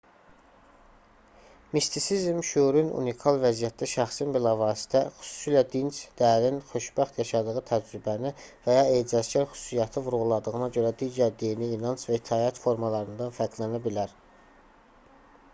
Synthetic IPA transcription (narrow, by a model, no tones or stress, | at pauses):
mist̪isizmʃuɾynṵnikʰɑlˠvæzijæt̪̚d̪æʃæχsinbilɑvɑːsi̥t̪ʰæxy̥su̥silæd̪int͡ʃd̪̥æɾinχø̞ʃbæχt̪jɑʃɑd̪ɯɣɯt̪ʰæd͡ʒɾybænivæjɑeɑzɟæɾxy̥su̥sijɑt̪ʰɯvuɾuɣulˠɑd̪ɯɣɯnɑɟø̞ɾæd̪iːɟæɾd̪ijiniːnɑnsvæit̪ʰɑːjæt̪fo̞ɾmɑlˠɑɾɯnd̪ɑnfæɾd̪lænæbilæɾ